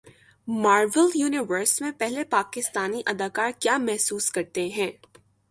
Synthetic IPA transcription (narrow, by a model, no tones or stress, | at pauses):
maːɾʋəljuːnɪʋəɾsmẽpɛɦlepaːkɪst̪aːniʔɐd̪aːkaːɾkjaːmɛɦsuːskɐɾt̪eɦɛ̃ː